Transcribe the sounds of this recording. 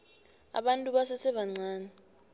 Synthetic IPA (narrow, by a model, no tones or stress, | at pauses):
a̰ɓantʼuɓasɛsɛɓaŋ͡ǀʱaːnɛ